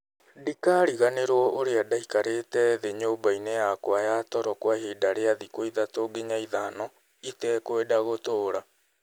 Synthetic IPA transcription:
dikaɾiɣaneɾwɔʔoɾeadaikaɾetɛðeɲoːbainejakwajatɔɾɔkwaɦiːdaɾeaðikoiðatoɡeɲaiðanɔ | itɛkoedaɣotoːɾa

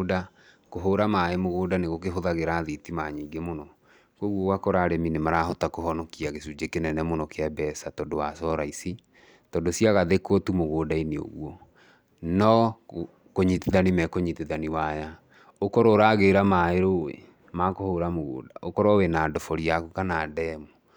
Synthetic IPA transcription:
da | koɦoɾamaemoɣoːdaneɣokeɦoðaɣeɾaðitimaɲiːɡemonɔ | koɣwoɣwakɔɾaɾɛminemaɾaɦɔtakoɦɔnɔkiaɣesud͡ʒekenɛnɛmonɔkeabɛsatɔdowasɔɾaisi | tɔndosiaɣaðekɔtumoɣoːdaineo̰ɣwɔ | nɔ | koɲiteðanimɛkoɲiteðaniwaja | okɔɾɔɾaɣeɾamaeɾowḛ | makohoɾamoɣo̰ːdaʔokɔɾɔwenaːdɔfɔɾiakukanadɛmo

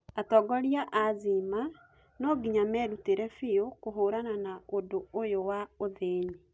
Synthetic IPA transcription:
atɔɡɔɾiaʔazima | nɔːɡiɲamɛɾuteɾɛfiokoɦoːɾananaodoojowaoðeːɲi

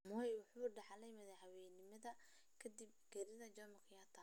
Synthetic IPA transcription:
mɔjwʊħuːɖɐħɑlɛjmɐðɐhɐwɛnɪmɐðɐ | kʰɐd̪ib̚ɡɛɾɪðɐd͡ʒɔmɐkʰɐjat̪ʰɐ

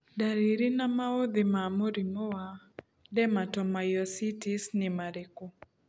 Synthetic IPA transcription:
daɾiɾinamaod̪ɪmamoɾimɔwa | dɛmatɔmajɔsitisnɪmaɾeko

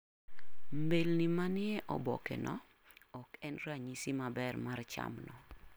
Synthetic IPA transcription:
mbelnimanɪɛʔɔ̰bɔ̰kɛ̰nɔ̰ | ɔkɛnraɲisimabɛrmart͡ʃa̰mnɔ

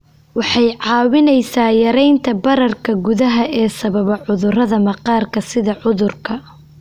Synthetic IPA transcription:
wɑħɑjʕɑːwɪnɛjsaːjɐɾɛjnt̪ʰɐbɐɾɐrkʰɐɡʊðɐɦɐʔɛːsɐβɐβɐʕʊðʊrɐðɐmɐqɑːrkʰɐsɪðɐʕʊðʊrkʰɐ

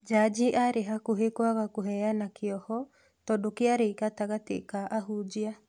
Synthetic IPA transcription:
d͡ʒad͡ʒiʔaɾeɦakoɦekwaɣakoɦɛanakeɔhɔ | tɔdokeaɾekataɣatḛkaʔaɦud͡ʒia

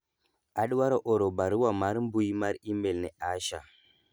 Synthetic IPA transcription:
aɗwaɾoʔoɾobaɾuwamaɾmbujmaɾimbelneaʃa

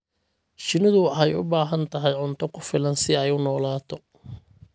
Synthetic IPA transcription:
ʃɪnɪðʊħɛjʊ̰baːɦɐnt̪ʰɐɦɛjʕʊnt̪ʰɔkʰʊfɪlɐnsɪɛjʊnɔːlaːt̪ʰɔ

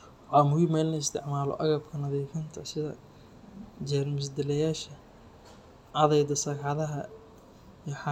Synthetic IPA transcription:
ħɑːmʊɣʊmɛːlnɐɪst̪ʰɪ̰ʕmaːlɔ̰ʔɐɣɐbkʰɐnɐðɛːfɐnt̪ʰɐsɪðɐ̰ | d͡ʒɛːrmɪs̬d̪ɪlɛjaːʃɐ | ʕɑðɛjd̪ɐsɐkɑðɐɦɐ | jɛħɑ

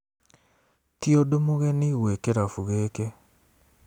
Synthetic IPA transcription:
tiodomoɣeniɣwekeɾafuɣeke

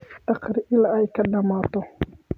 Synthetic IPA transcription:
ɑqɾʔɪlaːɛjkʰɐɖɐmaːt̪ɔ

